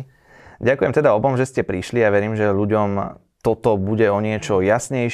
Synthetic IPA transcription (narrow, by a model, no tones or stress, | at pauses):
ɟakujɛmt̪ɛd̪aɔbɔmʒɛscɛpɾiʃliaʋɛɾiːmʒɛʎuɟɔm | t̪ɔt̪ɔbuɟɛɔɲɪɛt͡ʃɔjasɲɛjʃ